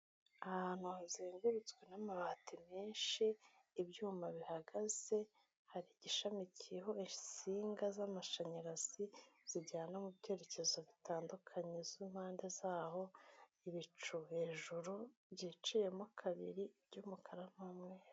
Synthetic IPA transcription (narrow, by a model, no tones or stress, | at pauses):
ahan̥huazeːŋɡuɾut͡swe̞namaβaːtʰimeːnʃiː | bjuːmaβihaɡaz̥e̞ | haɾiɟiʃamicijeɦo̞isiːŋɡazamaʃaɲaɾaziz̥iɟaːnamubɟe̞ːɾe̞ce̞zoβitaːndukʰaɲeziːmhaːnde̞zaːɦo̞ | iβit͡ʃuhe̞ʒuɾubɟit͡ʃije̞muakʰaβiɾiɟumukʰaɾam̥amŋe